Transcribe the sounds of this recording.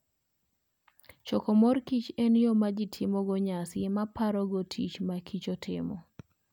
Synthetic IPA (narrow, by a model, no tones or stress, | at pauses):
t͡ʃɔkɔmɔrkit͡ʃenjomad͡ʒɪtʰɪmɔɡɔɲasɪmapaɾɔɡotʰit͡ʃmakʰit͡ʃotʰɪ̰mɔ